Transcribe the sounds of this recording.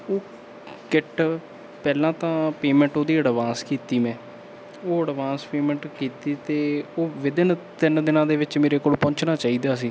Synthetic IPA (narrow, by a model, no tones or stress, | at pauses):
oː | kɪʈ | pɛːlãːt̪ãːpeːmɛ̃ːɳʈoːd̪iːəɽʋãːskiːt̪iːmɛ̃ː | oːəɽʋãːspeːmɛ̃ɳʈkiːt̪iːt̪eːoːʋɪd̪ɪnt̪ɪnd̪ɪnãːd̪eːʋɪt͡ʃmeːɾeːkoːlpɔ̃ɲt͡ʃnaːt͡ʃaːiːd̪aːs̬iː